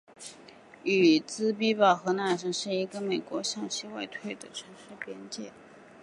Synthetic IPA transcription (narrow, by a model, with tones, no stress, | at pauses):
y˨˩t͡sɹ̩˥p̬i˥pɑ˨˩ʊxɤ˧˥na˥˩ʂə˧˥ŋʂɻ̩˥˩i˧˥ɡə˧me˨˩ɪkwɔ˧˥ɕjɑ˥˧ŋɕi˥wa˥˧ɪt̪ʰwe˥˩ɪd̪ə˨˩ʈ͡ʂʰə˧˥nʂɻ̩˥˩pjɛ˥nt͡ɕjɛ̰˥˩